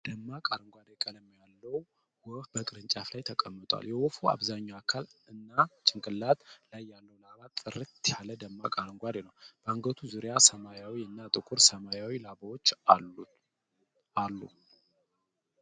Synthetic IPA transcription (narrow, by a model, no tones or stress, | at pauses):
d̪̥əmːakʼaɾɨŋɡʷad̪ekʼələmːjalːəw | wɔfbəkʼɨɾɨnt͡ʃʼaflajt̪ʰəkʼəmːɨt̪ʼwa̰ljɛwɔfua̰βzaɲːawakʰalɨnːat͡ʃʼɪŋkʼɨlːat̪lajːalːəwlaβat̪ʼːɨɾɨt̪jaləd̪əmːakʼaɾɨŋɡʷad̪enəwb̥əaŋɡət̪ʰuzuɾjasəmajawiɨnːat̪ʼɨkʼuɾsəmajawilaβawot͡ʃː | alːṵ